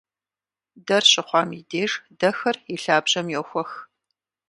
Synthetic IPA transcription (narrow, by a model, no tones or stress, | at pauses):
dɐrɕɪχʷɑːmideːʐdɐxɐriɬaːbʑɐmjɛwxʷɔx